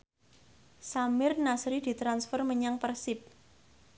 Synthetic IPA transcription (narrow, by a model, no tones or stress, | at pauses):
samɪrnasɾid̪̥i̤t̪ɾansfərməɲaŋpərsɪp̚